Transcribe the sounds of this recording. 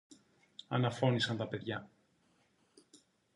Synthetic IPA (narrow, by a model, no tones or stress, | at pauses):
ɐnɐfo̞nisɐnt̪ɐpe̞ðʝɐ